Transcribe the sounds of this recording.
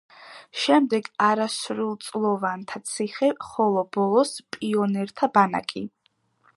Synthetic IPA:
ʃɛmd̪ɛɡaɾasɾulˠt̪sʼlˠɔvant̪ʰat̪sʰiχɛχɔlˠɔbɔlˠɔspʼiɔnɛɾt̪ʰabana̰kʼi

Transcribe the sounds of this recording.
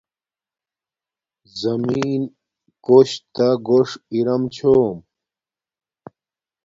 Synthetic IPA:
zɐmiːn | koɕt̪aɡoʂiɾɐmt͡ɕʰoːm

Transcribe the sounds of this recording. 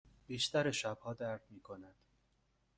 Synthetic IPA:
b̥iːʃt̪æɾeʃæb̥hɒːd̪æɾd̪miːkʰonæd̪̥

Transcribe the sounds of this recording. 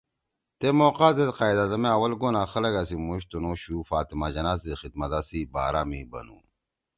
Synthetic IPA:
t̪emoːqaːzet̪qaːid̪aːzɐmeawɐlɡonaːxɐlɐɡasimuɕt̪unoɕuːfaːt̪imad͡ʑɐnaːsexid̪̚mɐt̪asibaːɾamibɐ̰nṵ

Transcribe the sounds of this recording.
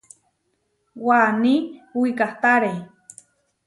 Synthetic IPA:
waniwikaht̪aɾe

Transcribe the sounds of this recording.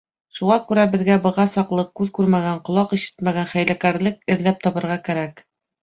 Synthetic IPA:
ʃuʁɑkʉɾæbɘ̆ðɡæbɤ̆ʁɑsɑqlˠɤq̚kʉðkʉɾmæɡæɴqŏlˠɑqiʃɘ̥t̪mæɡænχæjlækæɾlɘkɘ̆ðlæp̚t̪ɒβɤ̆ɾʁɑkæɾæk

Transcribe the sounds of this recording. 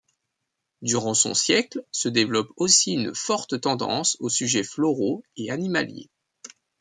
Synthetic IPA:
d̪yʁɑ̃sɔ̰̃sjɛklsəd̪evlɔposiynfɔʁt̪t̪ɑ̃d̪ɑ̰̃sosyʒɛflɔʁoeanima̰ljḛ

